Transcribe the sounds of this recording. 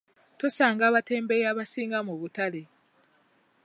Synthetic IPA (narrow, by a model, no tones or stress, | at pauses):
tosaːŋɡaːβate̞ːmbejaβasiːŋɡamuβutale